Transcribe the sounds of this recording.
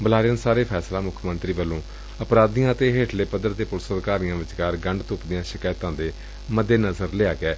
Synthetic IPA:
bəlaːɾɪjãːnsaːɾeːpʰɛːslãːmʊkʰmənt̪ɾiːʋəlːõː | əpɾaːd̪ijãːət̪eːɦeːʈʰleːpəd̪əɾd̪eːpʊlsəd̪kaːɾijãːʋɪt͡ʃkaːɾɡəɳɖt̪ʊpd̪ɪjãːʃɪkaːjt̪ãːd̪eː | məd̪ːeːnəzəɾleaːɡɛː

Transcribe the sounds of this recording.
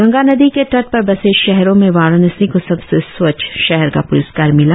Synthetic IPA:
ɡɐ̃ŋɡaːnɐd̪ikeʈɐɾʈ̪̚pɐɾbɐseːʃʃɛɦɾõmẽʋaːɾnɪsĩkosɐbsesʋɐt͡ʃʰʃɛɦɛɾka̰pʊɾəskaːɾmɪla

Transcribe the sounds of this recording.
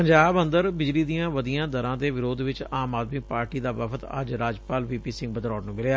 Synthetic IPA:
pəɲd͡ʒaːbə̃nd̪əɾbɪd͡ʒliːd̪ijãːʋəd̪ijãːd̪əɾãːd̪eːʋɪɾoːd̪ʋɪt͡ʃaːmaːd̪miːpaːɾʈiːd̪aːʋəpʰət̪ə̰d͡ʒɾaːd͡ʒpaːlʋiːpiːsɪ̃ŋɡbəd̪ɾɔːʈnũːbɪlaː

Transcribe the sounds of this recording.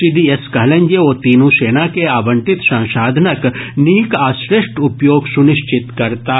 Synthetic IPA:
siːd̪ieskɐɦlɐ̃ɲd͡ʒeoːt̪iːnũseːnakeaːbə̃ɳʈ̪ɪt̪sãːʃaːd̪ʱnəkniːkaːsɾeʃʈʊpjoːɡsʊnɪʃt͡ʃɪt̪kɐɾt̪aː

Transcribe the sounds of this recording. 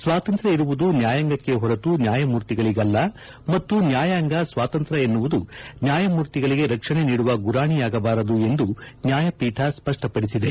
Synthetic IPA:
sʋaːt̪ɐnt̪ɾɐiɾuʋud̪unjaːjaːŋɡɐkːe̞ɦɔɾɐt̪unjaːjɐmuːɾt̪iɡɐɭiɡɐlːɐ | mɐt̪ːunjaːjaːŋɡɐsʋaːt̪ɐnt̪ɾɐe̞nːuʋud̪unjaːjɐmuːɾt̪iɡɐɭiɡe̞ɾɐkʂɐɳe̞niːɽuʋɐɡuɾaːɳijaːɡɐbaːɾɐd̪ue̞nd̪unjaːjɐpiːʈʰɐspɐʂʈɐpɐɽisid̪e̞

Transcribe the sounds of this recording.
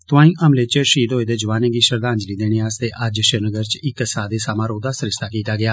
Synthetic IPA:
t̪ʊʋãːĩːʔəmleːt͡ʃəʃiːd̪ɦoːeːd̪eːd͡ʒəʋaːneːɡiːʃəɾd̪aːɲd͡ʒliːd̪eːɽ̃eːaːst̪eːʔəd͡ʒʃəɾnəɡəɾt͡ʃɪksaːd̪eːsaːmãːɾoːd̪aːsəɾɪst̪aːkiːt̪aːɡɪjaː

